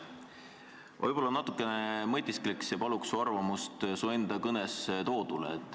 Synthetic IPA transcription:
vo̰jb̥o̞lːɑnɑt̪ːˑukːˑe̞nemɤt̪ʲːiskliksjɑpɑluksuɑrvɑmust̪suend̪̥ɑkɤnɛst̪o̞ːd̪̥ulḛt̪ːˑ

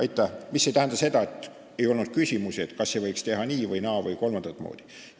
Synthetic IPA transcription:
ɑjt̪ːˑæhmisːe̞t̪æhænd̪̥ɑse̞d̪ɑet̪ːˑ | e̞jo̞lnud̪̥̚kysʲimusiet̪kɑsːevɤjkst̪e̞ɦɑniːvɤjnɑːvɤjko̞lmɑnd̪̥ɑt̪ːˑmo̰ːd̪̥i̥

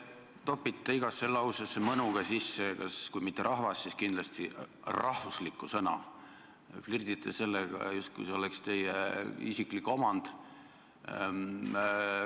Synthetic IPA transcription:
t̪o̞pːˑit̪ˑːeiɡ̥ɑsːelːɑwsesːemɤnuɡ̥ɑsisːekɑskujmit̪ːˑeɾʔɑhvɑsːiskind̪lɑst̪i | rɑhvuslikːˑusɤnɑ̰ | flird̪̥it̪ːˑese̞lːeɡ̥ɑ̰just̪̚kṵjseo̞lɛkst̪e̞jeisiklikːˑo̞mɑnd̪̥

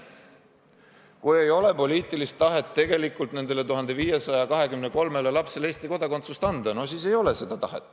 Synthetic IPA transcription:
kuje̞jo̞le̞po̞liːt̪ːˑilist̪ːɑɦe̞t̪ːe̞ɡe̞likːˑult̪ne̞nd̪̥e̞le̞t̪uɦɑnd̪̥e̞viːje̞sɑjɑkɑɦe̞kymne̞ko̞lme̞lelɑpse̞le̞ːst̪iko̞d̪ɑkot̪sust̪ɑnd̪̥ɑno̞siːse̞jo̞le̞se̞d̪̥ɑt̪ɑɦe̞̰t̪ːˑ

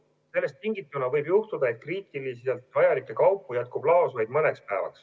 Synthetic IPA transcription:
se̞lːe̞st̪ːiŋɡit̪ːˑunɑvɤjbjuht̪ud̪̥ɑe̞t̪̚kriːt̪ˑiliselt̪ˑvɑjɑlikːˑe̞kɑwpːˑujæt̪̚kub̥lɑːsvɑjd̪mɤne̞kspæevɑ̰ks

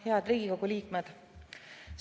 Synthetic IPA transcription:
heɑd̪̥riːɡ̥iko̞ɡ̥uliːkmed̪̥ | s

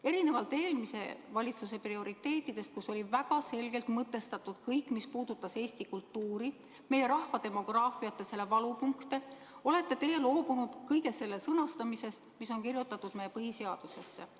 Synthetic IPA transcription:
e̞ɾine̞vɑlt̪ːˑe̞ːlmise̞̰vɑlʲit̪sus̬e̞prio̞ɾit̪ːˑe̞ːt̪ːˑid̪̥e̞st̪̚kuso̞lʲivæɡ̥ɑse̞lɡ̥e̞lt̪mɤt̪ːˑe̞st̪ɑt̪ːud̪̥kɤjkːˑmispuːd̪̥ut̪ːˑɑse̞ːsʲt̪ikult̪ːuːɾi | me̞jeɾɑhfɑd̪̥e̞mo̞ɡ̥rɑːfiɑt̪ːˑe̞se̞lːe̞vɑlupuŋkt̪e̞ | o̞le̞t̪ːˑe̞t̪e̞jelo̞ːbunud̪̥kɤjɡe̞sːe̞lːesɤnɑst̪ɑmise̞st̪miso̞ŋkirjut̪ːˑɑt̪ːˑud̪̥meje̞pɤɦise̞ɑd̪̥use̞sːe̞̰

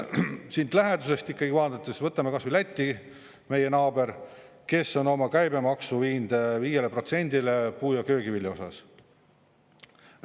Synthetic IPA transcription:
sind̪læɦe̞d̪̥use̞st̪ikːˑɑɡivɑːt̪ɑt̪ːˑesvɤt̪ːˑɑmekɑsvilæt̪ʲːi | me̞je̞nɑːbe̞ɾ | ke̞sːo̞no̞mɑkæjbe̞mɑksuviːnd̪̥viːje̞lepro̞t̪se̞nʲd̪̥ile̞puːjɑkø̞ːɡivilʲjɑo̞sɑ̰s

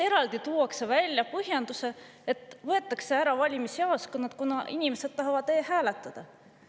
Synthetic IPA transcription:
e̞ɾɑld̪̥it̪uːɑksevælʲjɑpɤɦjɑnd̪̥use̞ | et̪ːˑvɤe̞t̪ˑːɑkse̞æɾɑvɑlʲimisiɑoskonːɑt̪kunɑʔinime̞se̞d̪̥t̪ːɑɦɑvɑd̪eːhæːlet̪ːˑɑd̪̥ɑ

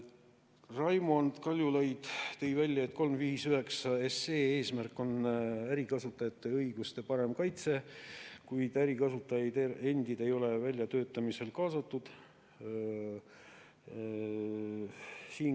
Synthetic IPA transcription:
rɑjmond̪̥kɑlʲjulɑjd̪̥t̪e̞jvælʲjɑet̪ːˑko̞lmviːsyhe̞ksɑe̞seːeːsmærkˑːo̞næɾikɑsut̪ːˑɑjɑt̪ːˑe̞ɤjɡ̥ust̪e̞pɑɾe̞mkɑjt̪se̞kujd̪̥æɾikɑsut̪ːˑɑjɑd̪ee̞nd̪̥id̪e̞jo̞le̞vælʲjɑt̪ø̞ːt̪ːˑɑmise̞lkɑːsɑt̪ːˑud̪̥ | siːn

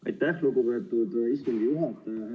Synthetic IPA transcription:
ʔɑ̰jt̪ːæhluɡupe̞ːt̪ːˑud̪ist̪uŋɡ̥ijuɦɑt̪ːˑ

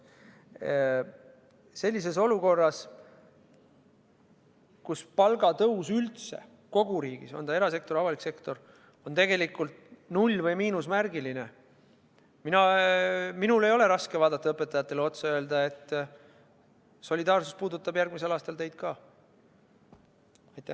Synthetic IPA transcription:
se̞lʲːis̬e̞so̞luko̞rːɑs | kuspɑlɡɑt̪ɤusylt̪se̞̰ | ko̞ɡ̥uɾiːɡ̥ḭso̞nɑe̞ɾɑs̬e̞k̚t̪o̞ɾɑvɑlikse̞kt̪o̞r | o̞nt̪e̞ɡe̞likːult̪nulʲːvɤjmiːnusmæɾɡiline̞ | minɑ | minule̞jo̞le̞ɾɑskevɑːd̪ɑt̪ːɑɤpːˑet̪ːˑɑjɑt̪ːˑe̞leo̞t̪sɑø̞eld̪ɑe̞t̪ː | so̞lʲid̪ɑːrsuspuːd̪ut̪ːˑɑbjærɡmise̞lɑːst̪ɑlt̪e̞jd̪̥̚kɑː | ɑjt̪ːˑæ

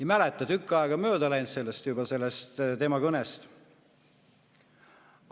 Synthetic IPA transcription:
ɑmælet̪ːˑɑt̪ykːˑɑeɡ̥ɑmø̞ːd̪ɑlæjnt̪se̞lːest̪jubɑse̞lːest̪t̪e̞mɑkɤnest̪

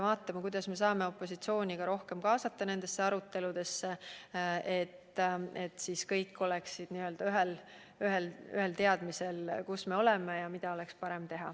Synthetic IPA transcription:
vɑːt̪ˑːɑmɑkujd̪̥ɑsme̞s̬ɑːme̞o̞pːˑo̞sit̪sio̞ːnʲiɡ̥ɑɾo̞hke̞mkɑːsɑt̪ːɑne̞nd̪̥e̞sːeɑɾut̪ːe̞lud̪̥e̞sːe | e̞t̪ːet̪ːsiskɤjkːo̞leksid̪̥niːø̞ld̪ɑyɦel | yɦelyɦe̞lt̪e̞ɑd̪̥mise̞lkusme̞o̞le̞mejɑmid̪̥ɑo̞le̞kspɑɾe̞mt̪e̞ɦɑ̰

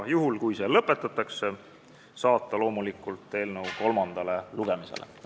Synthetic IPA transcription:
juɦulkujse̞lɤpːˑe̞t̪ːˑɑt̪ːˑɑkse | sɑːt̪ˑːɑlo̞ːmulikːˑult̪ːe̞ːlnəwko̞lmɑnd̪̥ɑle̞luɡ̥e̞misḛlḛ

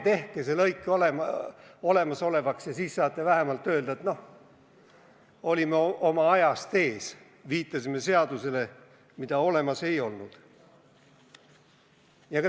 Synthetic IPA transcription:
t̪e̞hkeselɤjkːˑolemo̞le̞mɑso̞le̞vɑksjɑsiːsːɑːt̪ːˑevæɦemɑlt̪ːˑø̞ːld̪̥ɑet̪no̞h | o̞lʲimeo̞mɑɑjɑst̪e̞ːs | viːt̪ːˑɑsime̞se̞ɑd̪̥use̞le̞ | mid̪̥ɑo̞le̞mɑse̞jo̞lnud̪̥ | jɑkɑ

